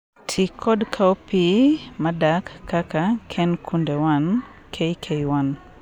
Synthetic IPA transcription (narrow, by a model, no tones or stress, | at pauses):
tʰikʰɔdkʰaopimadakːakakʰɛnkʰundɛwan | kʰeikʰejwan